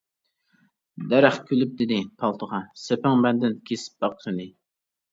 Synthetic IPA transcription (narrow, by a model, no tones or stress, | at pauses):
d̪æɾæχkʲʰølyp̚d̪ɪd̪ɪpʰɑlˠt̪ʰəʁɑsepɪŋbɛnd̪ɪnkʲʰesɪ̥p̚bɑqʰɾɨnɪ